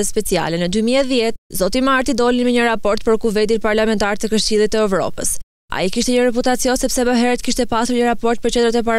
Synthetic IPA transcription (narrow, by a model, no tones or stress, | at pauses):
ɛspɛt͡sia̰lɛnəd̪ymiɛðjɛt̪̚zɔt̪imaɾt̪id̪ɔlinmiɲəɾapɔɾt̪̚pəɾkuvɛnd̪inpaɾlamɛnt̪aɾt̪əkəʃt͡ɕilˠit̪ːəɛvɾɔ̰pə̰s | a̰ikiʃt̪ɛɲəɾɛput̪at͡siɔnsɛpsɛbəɦɛɾət̪̚kiʃt̪ɛpasuɾɲəɾapɔɾt̪̚pəɾt͡ɕɛnd̪ɾat̪ɛpa